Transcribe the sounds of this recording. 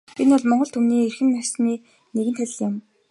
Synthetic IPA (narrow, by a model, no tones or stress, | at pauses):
enʊɮmɔɴɢɞ̆ɬt̪ʰumniːerxɘ̆nːasniː | neɣɘ̆nt̪ʰæɮ̆ʲɮjʊm